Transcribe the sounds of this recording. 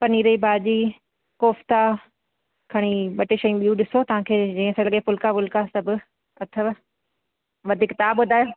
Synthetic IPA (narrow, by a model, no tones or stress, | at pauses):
pɐniːɾəibaːd͡ʒiː | koːft̪a | kʰɐɽ̃iɓɐʈeʃɐjũɓijũɗɪsot̪ɐʋ̤ãkʰeːd͡ʑĩːə̃səlɐɠepʊlkabʊlkasɐbʱɪ | ɐt̪ʰəʋ | ʋɐd̪ʱɪkt̪aːbʊd̪ʱaːjoː